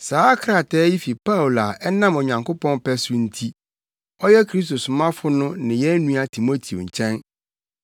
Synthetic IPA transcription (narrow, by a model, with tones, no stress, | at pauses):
saː˨˦kʰɾa˨tʰɛ˦ji˦fi˨pa˦wla˨ʔɛ˦nã˦mɔ˨ɲã˨ŋkʰo˦pɔ̃˦npɛ˦sʊ˦n̩˦tʰi˦ | ɔ˦jɛ˦kʰɾi˦sto˨sʊ˨mã˦fʊ˦nʊ̃˦nɪ̃˨jɛ˦nũ˦a˨tʰi˨mo˦tʰi˨o̰˨ɲ̩˨t͡ɕʰɛ̃˦n